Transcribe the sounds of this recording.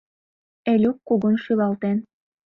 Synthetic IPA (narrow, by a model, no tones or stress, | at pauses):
elʲukːuɣonʃylɑlt̪en